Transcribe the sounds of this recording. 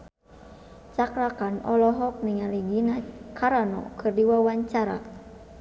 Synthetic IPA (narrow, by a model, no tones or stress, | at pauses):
t͡ʃakɾakanɔlɔɦɔk̚niŋaliɡinakʰaɾanɔ̰kʰɨrdiwawaɲt͡ʃaɾa̰